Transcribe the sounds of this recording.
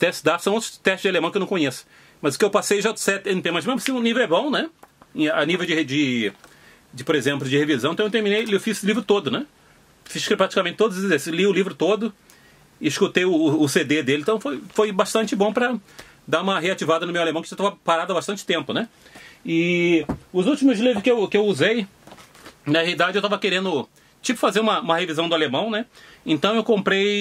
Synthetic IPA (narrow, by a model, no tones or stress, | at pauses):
t̪ɛʃtd̪asɐ̃w̃ot̪ɾʊ̥t̪ɛʃt̪t͡ʃɪzd͡ʒalemɐ̃kɪewnɐ̃kõɲesʊ̥ | mɐzʊ̥kɪewpasejʒasɛt̪ẽt̪ẽmɐzmezmʊɐsĩʊ̃nivewɛbõw̃nɛ | anivewd͡ʒɪd͡ʒɪ | d͡ʒɪpoɾezẽmplʊd͡ʒɪhevizɐ̃t̪ɐ̃ewt̪eɾminejlewfizlivɾʊt̪od̪ʊnɛ | fiʃkpɾat͡ʃi̥kamẽnt͡ʃɪt̪od̪ʊzd̪esliʊlivɾʊt̪od̪ʊ | ɪɪʃkut̪ejʊːsed̪ed̪elɪ̃t̪ɐ̃w̃fojfojbaʃt̪ɐ̃nt͡ʃɪbõw̃pɾɐ | d̪aũmɐɦeat͡ʃivad̪ɐnʊmewalemɐ̃w̃kɪʒat̪avɐpaɾad̪ʊɐbaʃt̪ɐ̃nt͡ʃɪ̥t̪ẽmpʊnɛɪ | ʊzuwt͡ʃimʊzlivɾʊskɪewkɪewuzej | nɐheid̪ad͡ʒɪewt̪avɐkeɾẽnd̪ʊ | t͡ʃipʊ̥fazeɾũmɐũmɐhevizɐ̃w̃d̪ʊalemɐ̃w̃nɛẽnt̪ɐ̃w̃ewkõmpɾej